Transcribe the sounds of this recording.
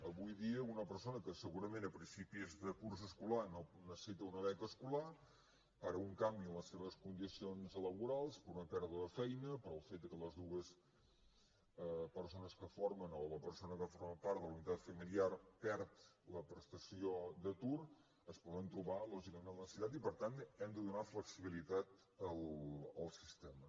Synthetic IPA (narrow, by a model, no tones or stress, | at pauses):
əβujðiəunəpəɾsonəkəsəɣuɾəmẽnəpɾinsipizðəkuɾs̬əskulanonəsə̥sit̪əunəβɛkəskula | aɾəuŋkambiələsːeβ̞əskund̪isionzələβuɾalˠspəɾunəpɛɾðuəðəfɛjnəpəɾəlˠfet̪̚əkələzðuɣəs | əpəɾsonəskəfoɾmənoləpəɾsonəkəfoɾməpaɾt̪d̪əlunit̪at̪fəmiliaɾpɛɾt̪ləpɾəst̪əsiod̪ət̪uɾ | əspɔðənt̪ɾuβalɔʒikəmenləsiut̪at̪̬ipəɾt̪ant̪ɛmd̪əðunafləksiβilit̪at̪ | əlˠəlˠsist̪ɛmə